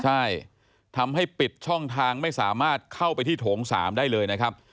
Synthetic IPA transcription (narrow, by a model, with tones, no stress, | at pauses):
t͡ɕʰa˥˩j | t̪ʰa˧mɦa˥˩jpi˨˩t̪̚t͡ɕʰɔ˥˩ŋt̪ʰaː˧ŋma˥˩jsaː˩˦maː˥˩t̪̚kʰa˥˩wpa˧jt̪ʰiː˥˩t̪ʰoː˩˦ŋsa̰ː˩˦mdaː˥˩jlɤː˧jna˦˥kʰɾa˦˥p̚